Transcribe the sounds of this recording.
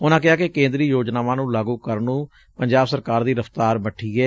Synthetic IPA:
ʊnãːkɪɦaːkekẽːnd̪ɾiːjoːd͡ʒnaːʋãːnũːlaːɡũːkəɾnũː | pəɲd͡ʒaːbsəɾkaːɾd̪iːɾəft̪aːɾbəʈʰiːɛː

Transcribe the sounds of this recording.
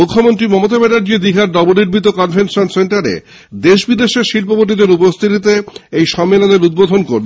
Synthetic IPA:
mukʰːomont̪ɾimɔmot̪abenaɾd͡ʑied̪iɦaɾɖɔboniɾbʱit̪̬okɔnfʰensonseɳʈaɾḛ | d̪eʃbid̪eʃeɾʃilpoboʈ̬ːid̪eɾupost̪ʰit̪̬it̪̬eejʃɔmːelod̪eɾud̪̚bod̪ʱonkoɾl

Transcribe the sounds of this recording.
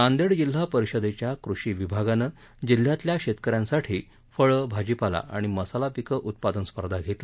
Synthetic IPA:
ãnd̪eɽd͡ʑil̤ːapəɾiɕəd̪et͡ɕjakɾuɕiʋibʱaɡanə | d͡ʑil̤ːjat̪ljaɕet̪kəɾjãnsaʈʰiː | fəɭəbʱad͡ʑipala̰ʔa̰ɽ̃iməsalapikəʔut̪̚pad̪ənspəɾd̪ʱaɡʱet̪la

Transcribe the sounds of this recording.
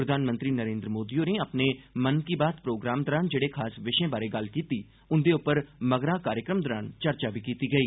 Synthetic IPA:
pɾəd̪ʱaːnmə̃nt̪ɾiːnəɾẽːnd̪ɾəmoːd̪ioːneəpneːmənkiːbaːt̪pɾoːɡɾaːmd̪əɾaːnd͡ʒeːɽeːkʰaːsʋɪʃẽːbaːɾeːɡəlkiːt̪iː | ʊnd̪eːʊpːəɾməɡɾaːkaːɾjəkɾəmd̪ɔɾaːnt͡ʃəɾt͡ʃaːbʱiːkiːt̪iːɡəiː

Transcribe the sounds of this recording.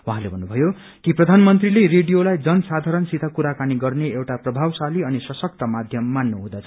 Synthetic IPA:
wɦãlebʱʌnːubʱʌjo | kiprʌd̪ʱanmʌnt̪rilereɖijolajd͡zʌnsad̪ʱaɾʌnsit̪ʰakuɾakaniɡʌrneewʈaprʌbʱawsaliʌnisʌsʌk̚t̪ʌmad̪ʱjʌmːanːoɦũd̪at͡sʰʌ

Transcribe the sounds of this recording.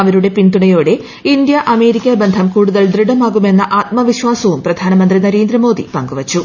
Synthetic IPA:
ɐʋɐɾuɽe̞pind̪uɳɐjo̞ːɽe̞ | ind̪jɐʔɐme̞ːɾikʲːɐbend̪ʱɐmkuːɽuðɐld̪riɽɐmaːɣume̞nːɐʔaːt̪̚mɐʋiɕʋaːsɐʋumprɐd̪ʱaːnɐmɐnd̪rinɐɾe̞ːnd̪ɾɐmo̞ːd̪ḭpɐŋɡuʋɐt͡ɕːu

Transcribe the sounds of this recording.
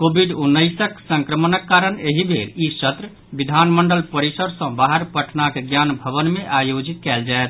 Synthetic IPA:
kobʱiɖunːəɪsəksə̃ŋkɾəmənəkːaɾəneɦibʱeɾisət̪ɾə | bid̪ʱanməɳɖəlpəɾisəɾsə̃baɦəɾpəʈʰnakeɡjanbʱəβənmeʔajod͡ʒit̪̚kɛld͡ʒaet̪ʰ

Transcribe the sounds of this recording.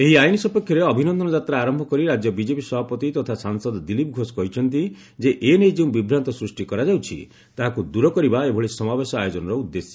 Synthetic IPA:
eɦiajnisɔpekʰːjɔɾeɔbʱinɔnd̪ʱɔnɔd͡ʒat̪ɾaːɾɔmbʱɔkɔɾiɾad͡ʒjɔbid͡ʒepisɔbʱapɔt̪it̪ɔt̪ʰasaŋsɔd̪ɔd̪ilip̚ɡʱosɔ̥kɔɦit͡ʃʰɔnt̪̬i | d͡ʒeʔenejd͡ʒeũbibʱɾant̪ɔsɾusʈikɔɾad͡ʒawt͡ʃʰḭ | t̪aɦakud̪uɾɔkɔɾibaebʱɔɭisɔmabesɔajod͡ʒɔnɔɾɔud̪ːesjɔ̥

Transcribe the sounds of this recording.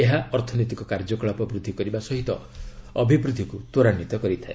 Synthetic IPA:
eɦaɔɾt̪ʰɔnot̪ikɔkaɾd͡ʒɔkɔɭapɔbɾud̪ʱːikɔɾibasɔɦit̪ɔ̰ | ɔbʱibɾud̪ʱːikut̪oɾanːit̪ɔkɔɾit̪ʰae

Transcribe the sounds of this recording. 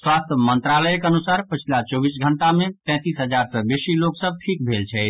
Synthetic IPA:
swast̪ʰəmənt̪ɾaləjkənusaɾpət͡ʃʰilat͡ʃɔbisɡʱəɳʈamẽt̪ɛ̃t̪isɦəd͡ʒaɾsə̃besiloksəb̚ʈʰik̚bʱelt͡ʃʰɛɪt̪ʰ

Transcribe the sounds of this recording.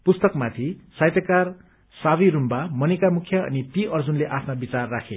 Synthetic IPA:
pust̪ʌkmat̪ʰisajt̪ʌkar | sabiɾumbamʌnikamukʰjʌʌ̰nit̪iʔʌrd͡zunleʔapʰnabit͡sarːakʰe

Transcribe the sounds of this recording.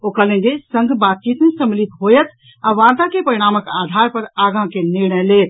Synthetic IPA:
okələ̃nd͡ʒesə̃ŋɡʱbat̪̚t͡ʃit̪mesəmilit̪ɦojət̪ʰ | aʋaɾt̪akepəɾiɽ̃aməkad̪ʱaɾpəɾaɡãkeniɾnəlet̪̚

